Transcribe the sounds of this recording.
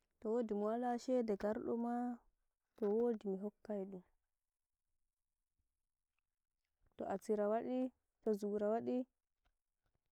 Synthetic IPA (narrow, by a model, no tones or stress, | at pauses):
tɔwodimuwalaʃɛdɛɡaɾɗɔ̰ma | tɔwoːdimiɦɔkːajɗum | tɔʔasiɾawaɗi | tɔzuɾawaɗi